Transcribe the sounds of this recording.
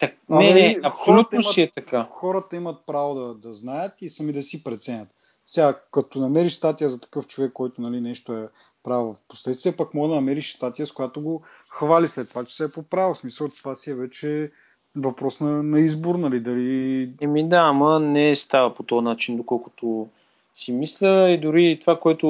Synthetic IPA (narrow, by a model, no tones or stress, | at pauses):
t̪ɐk̪ɛnɛɐpsolʲut̪nnosiɛt̪ɐkaxɔɾət̪ɐimət̪̚pɾavod̪ɐd̪ɐznajət̪isɐmid̪ɐsipɾɛt̪sɛnʲɐt̪ | sɛɡakɐt̪onɐmɛɾiʃst̪at̪ijəzɐt̪ɐ̥kɤft͡ʃovɛkːɔjt̪onɐlinɛʃt̪oɛ | pɾavvɐfpo̥slɛt̪st̪vijəpakmɔɡəd̪ɐnɐmɛɾiʃst̪at̪ijəskojat̪oɡo | xvalislɛt̪ːovat͡ʃɛ̥sɛːpopɾavosmisəlˠt̪ovasiɛvɛt͡ʃɛ | vɐpɾɔsnɐnɐizboɾnɐlid̪ɐliɛmid̪aːmɐnɛst̪avəpot̪ɔnat͡ʃind̪okɔlˠkʊ̥t̪o | simislʲəid̪ʊɾit̪vakoɛt̪o